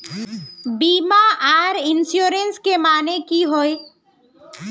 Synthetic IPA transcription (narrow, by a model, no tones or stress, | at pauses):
biːmaʔaːɾɪnsjuːɾenskemaːnekiɦoe